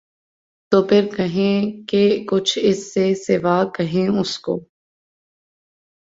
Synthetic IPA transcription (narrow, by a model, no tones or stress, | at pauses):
t̪oːpʰɪɾkɐɦẽkekʊt͡ʃʰɪsːesɪʋaːkɐɦẽʊsko̰ː